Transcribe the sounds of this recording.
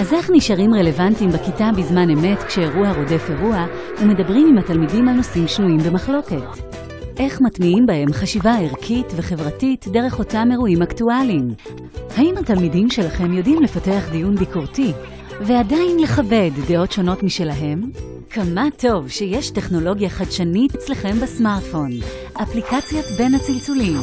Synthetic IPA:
aze̞χniʃaʁimʁe̞le̞vantimbekitabizmaneme̞tkʃeːʁuaʁo̞de̞feʁua | ume̞dɐabʁimimhatalmidimalno̞simʃnuimbe̞maχlo̞ke̞t | ʔe̞χmatmiimbahe̞mχaʃivaeʁkʰitveχe̞vʁatitdeʁe̞χo̞tame̞ʁuimaktualim | haimhatalmidimʃe̞laχe̞mjo̞dimle̞fate̞aχdijunbikoʁti | veadajnle̞χave̞dːeo̞tʃo̞no̞tmiʃelaɦe̞m | kamatʰo̞vʃejeʃte̞χno̞lo̞ɡjaχadʃanitet͡sleχe̞mbesmaʁtfo̞n | ʔaplikat͡sjotbe̞nhat͡silt͡sulim

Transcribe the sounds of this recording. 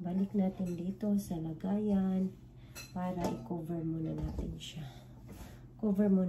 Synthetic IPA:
baniknat̪ind̪it̪o̞salaɡajan | paɾaʔikoveɹmonanat̪inʃa | koveɹmo

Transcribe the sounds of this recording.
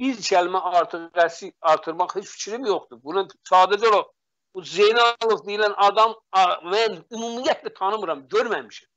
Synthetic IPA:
b̥izt͡ʃʰælmæɑɾt̪ʰɯɾæsiɑɾt̪ʰɯɾmɑχhet͡ʃfi̥t͡ʃʰɾimjoχd̪ubunɯsɑːd̪æd͡ʒoɾo | uzejnɑlˠovd̪ijilænʔɑd̪ɑmmænymumijæt̪ʰlæt̪ʰɑnɯmɯɾɑmɟøɾmæmiʃæm

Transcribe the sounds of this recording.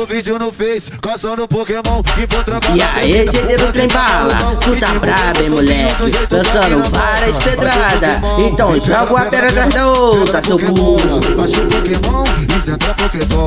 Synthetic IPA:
vid͡ʒ̪fe | kspokmõ | ia̰eʒed̪ed̪ʊt̪ɾẽj̃balɐ̰t̪ũd̪abɾabɐ̃j̃mulɛkɪlɐ̃sɐ̃nʊvaɾɐsped̪ɾad̪ɐ | ẽt̪ɐ̃w̃ʒɔɡʊɐpɛɾɐt̪ɾazd̪ɐowt̪ɾɐsewpuu | poko | pok

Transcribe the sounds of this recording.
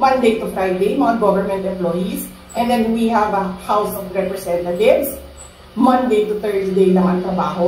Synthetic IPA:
mɐ̃nd̪ejt̪ʊfɾajd̪ejmɐŋaɡɔvəɹmɛ̃nt̪ɛ̃mplɔjis | ʔɛ̃nd̪ɛnwiɦævɐhawsɔvɹɛpɹɛsɛ̃nt̪ɐt̪ɪvs | mɐ̃nd̪ejt̪ʊθɛɹsd̪ejnɐmant̪ɾɐbaːɦo

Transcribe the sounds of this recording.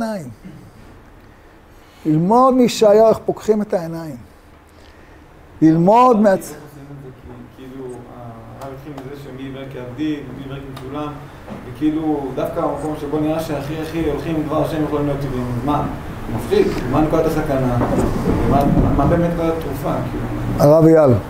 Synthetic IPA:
naim | lilmo̞d̪miʃeajaeχpokχime̞t̪aenajim | lilmo̞d̪meaimzekikiiluaajolχimazeʃemivekeabd̪immivekekulam | vekeilud̪afkamako̞mʃebo̞niʁaʃeaχiaχiolχimdvaʁaʃemjeχolimlijo̞t̪ːivimazman | mafʁikmankoat̪asakana | maamabemet̪kaat̪ʁufakiiluaʁavjal

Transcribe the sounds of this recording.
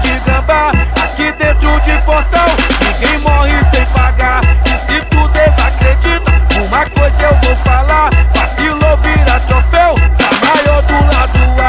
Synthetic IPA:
d͡ʒiɡɐ̃baakid̪ẽnt̪ɾʊd͡ʒɪfoɾt̪ɐ̃w̃nĩɡẽj̃mɔhɪsẽj̃paɡaisit̪ud̪ezakɾed͡ʒit̪ɐkõmɐkojzɐewvowfalapasiloviɾat̪ɾofɛwamajɔɾd̪ʊlad̪ua

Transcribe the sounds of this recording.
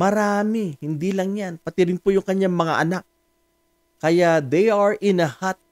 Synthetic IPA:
mɐɾaːmɪhɪnd̪ilɐŋjanpɐt̪ɪɾɪnpojʊŋkɐɲaŋmɐŋa̰ʔɐnak̚ | kːɐjad̪ejaɹʔɪnɐhat̪̚

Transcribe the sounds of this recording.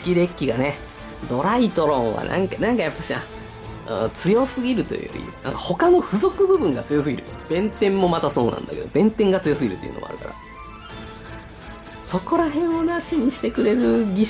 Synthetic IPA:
kʲiɾe̞kʲːiɡane̞ | d̪o̞ɾait̪o̞ɾõ̞ɰ̃βa̰nã̰ŋkanãŋkajapːaɕinã̰ | t͡sɨjo̞sɨɡʲiɾɯ̟t̪o̞̰jɯ̰o̰iɯ̰ã̰kaho̞kano̞ɸɯ̟zo̞kɯ̟bɯ̟bɯ̟̃ŋɡat͡sɨjo̞s̬ɨɡʲḭɾɯ̟b̥ẽ̞nt̪ẽ̞mmːo̞mat̪aso̞ːnã̰nd̪a̰ke̞d̪o̞bẽ̞nt̪ẽŋɡat͡sɨjo̞sɨɡʲiɾɯ̟t̪ːeiɯ̟̰o̰mo̰a̰ɾɯ̟ka̰ɾa̰ | so̞ko̞ɾaɦẽ̞ɰ̃onaɕiɲ̟iɕi̥t̪e̞kɯ̟ɾe̞ɾɯ̟ɡʲi

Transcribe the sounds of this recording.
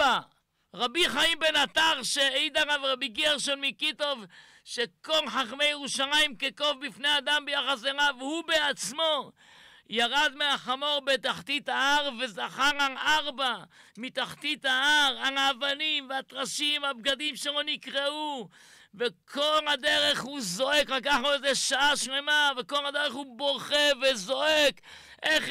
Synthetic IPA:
a | ʁabiχaimbenat̪aʁʃeejd̪aʁavʁabiɡiaʁʃonmikit̪o̞v | ʃeko̞lħaχme̞jeʁuʃalajimkeko̞vbifne̞jad̪ambejaχas̬eʁavhubeat͡smo̞ | jaʁad̪meaχamo̞ʁbet̪aχt̪it̪aaʁvezaχaʁaaʁbamit̪aχt̪it̪aaʁanaːvanimveat̪ʁaʃimhab̚ɡad̪imʃelo̞nikʁeu | vekʰo̞llhad̪eʁe̞χhuzo̞ekʁakaχnuezeʃaaʃnemavekolad̪eʁeχhubo̞ʁχevezoek | ʔeχ

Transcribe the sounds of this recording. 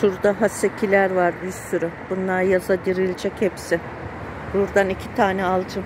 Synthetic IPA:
ʃuɾd̪aɦasecʰilʲæɾvaɾbiɾsyɾʊb̥unlˠaɾjazad̪iɾilʲd͡ʒɛchɛpsɪ | buɾd̪anicʰit̪ʰaːnɛalˠd͡ʒɯ

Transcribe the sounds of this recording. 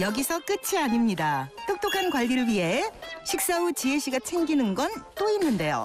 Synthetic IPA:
jʌɡisʰʌk͈ɯt͡ɕʰiaɲimɲidat͈ok̚t͈okʰankwaɭːiɾɯɭwiɦe̞ɕʰik̚s͈aut͡ɕiɦeɕʰiɡat͡ɕʰeŋɡinɯnɡʌnt͈oinːɯnde̞jo̰

